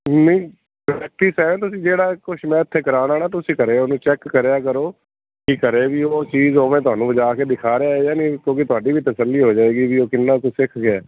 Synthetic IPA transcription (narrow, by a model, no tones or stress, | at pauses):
nəĩː | ɛːk̚ʈiːsɛːʋẽːt̪ʊsĩːd͡ʒeːɽaːkʊʃʰmɛ̃ːɪt̪ʰːeːkəɾaːnaːnaːt̪ʊsĩːkəɾeːoːnũːt͡ʃɛːkːəɾejaːkəɾoː | kɪkəɾeːʋiːoːt͡ʃiːzɦoːʋẽːt̪ʊaːnũːʋəd͡ʒaːkeːd̪ɪkʰaːɾejaːeːjaːniːkjõːkit̪ʊaːɖiːʋiːt̪əsəlːiːɦoːd͡ʒaːeːɡiːʋiːoːkɪnːãːkosɪkʰɡɪɛː